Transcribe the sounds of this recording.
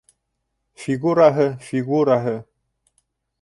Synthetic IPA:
fiɡuɾaɦəfiɡuɾaɦə

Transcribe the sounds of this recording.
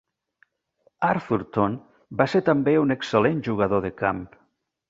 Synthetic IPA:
aɾfuɾt̪on | baseɾt̪ambeuneksəlenʒuɣ̞aðoðəkamp

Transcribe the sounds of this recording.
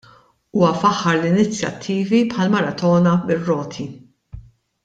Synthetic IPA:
uːwɐfɐħːɐɾlɪnɪt͡sjɐ̰t̪ʰːiːvipħɐlmɐɾɐt̪ɔːnɐbɪrːɔːt̪ʰi

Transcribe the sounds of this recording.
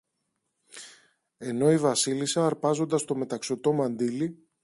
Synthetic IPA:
e̞no̞ivɐsilisɐːɾpɐzo̞nd̪ɐst̪o̞me̞t̪ɐksot̪o̞mɐnd̪ili

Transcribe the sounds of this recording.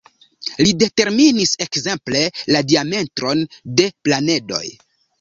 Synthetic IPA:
lide̞te̞ɾminise̞kze̞mple̞ladiame̞ntɾo̞nde̞plane̞do̞̰j

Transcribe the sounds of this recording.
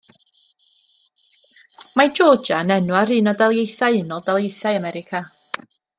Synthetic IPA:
mad͡ʒɔːd͡ʒanɛnwaɾɨːnɔdalˠjejθaɨɨnɔlˠdalˠjejθaɨamɛɾɪkʰa

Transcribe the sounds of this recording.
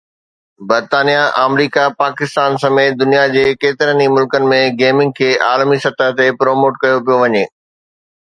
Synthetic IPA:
bɐɾt̪aːnijaʔəːmɾiːkapaːkɪst̪aːnsɐmeːt̪̚d̪ʊnijad͡ʑeːkeːt̪ɪɾənimʊlkənɪ̆mẽɡeːmɪ̃ŋɡ̚kʰeːʔaːlmisɐt̪əɦt̪epɾoːmoːʈkɐjopijoʋɐɲeː

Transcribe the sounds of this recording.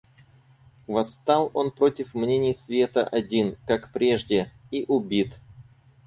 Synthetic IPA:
vɐst̪ɑlˠo̞npɾo̞tʲɪfmnʲenʲɪjsvʲe̞t̪ə̰ʔɐdʲinkakpɾʲe̞ʐdʲɪiʔʊbʲit̪

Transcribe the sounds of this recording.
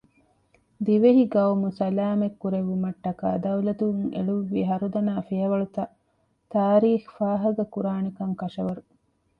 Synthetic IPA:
d̪iʋeɦiɡɐwmusɐlaːmekːuɾeʋumɐʈːɐka̰ːd̪ɐwlɐt̪uuŋḛɭuʋːiɦɐɾud̪ɐnaːfijɐʋɐɭut̪ɐ | t̪aːɾiːxfaːɦɐɡɐkuɾaːnekɐŋkɐʃɐʋɐɾu

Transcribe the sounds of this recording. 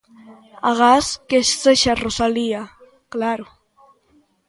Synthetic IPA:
a̰ɣaskeʃseʃarosalia | klaɾo

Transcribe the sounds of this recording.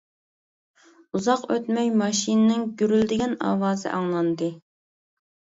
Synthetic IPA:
uzɑqøt̪mɛjmɑʃinnɪŋɡʲyɾyld̪ɪɡʲɛnɑ̰ːwɑːzɨ̰ʔɑŋlˠɑnd̪ɨ

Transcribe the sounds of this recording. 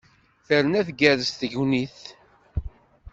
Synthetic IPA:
θəɾnæθɡæɾəsθəʝwniθ

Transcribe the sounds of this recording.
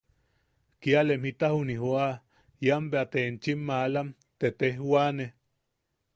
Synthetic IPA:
kialemhit̪ahuniɦoa | jambeat̪ent͡ʃimːalam | t̪et̪ehwane

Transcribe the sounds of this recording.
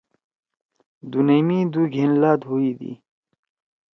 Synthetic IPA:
d̪unejmid̪uɡʱenlaːd̪ɦuid̪ḭ

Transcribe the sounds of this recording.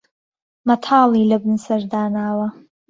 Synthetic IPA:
mɐt̪ʰɑːlˠiːlɐbɨnsɐɾd̪aːnaːwɐ

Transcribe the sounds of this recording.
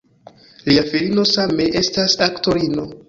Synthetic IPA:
liafiɾino̞same̞ʔe̞stasakto̞ɾino̞

